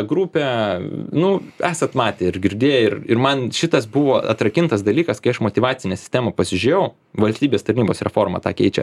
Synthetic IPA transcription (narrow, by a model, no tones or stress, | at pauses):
ɡɾuːpʲɛ | nʊæːsɐt̪mɑːt̪ʲeɪɾɡʲɪɾʲd̪ʲeːjɛɪɾɪɾmɐnʃʲɪt̪ɐsbʊʋoːɐt̪ɾɐkʲɪnt̪ɐsd̪ɐlʲiːkɐskɐɪɐʃmoːt̪ʲɪʋɑːsʲɪnʲɛːsʲɪ̥sʲt̪ʲæːmɐpɐsʲɪʒʲʊjɛʊ | ʋɐlʲsʲt̪ʲiːbʲeːst̪ɐɾʲnʲiːboːsɾʲɛfoːrmɐ̰t̪ɑːkʲɛɪt͡ʃʲɛ̰